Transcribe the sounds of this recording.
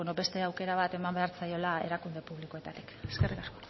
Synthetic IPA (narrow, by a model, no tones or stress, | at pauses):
eno̞be̞st̪e̞awke̞ɾaβ̞at̪e̞mambe̞aɾt͡sajo̞lae̞ɾakund̪e̞puβ̞likoe̞t̪at̪i̥keske̞rikasko